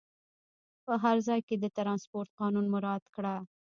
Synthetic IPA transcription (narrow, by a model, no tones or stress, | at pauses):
pəɦaɾzɑjked̪ət̪ɾɑnspoɾt̪̚qɑnunmʊɾɑd̪̥kɽa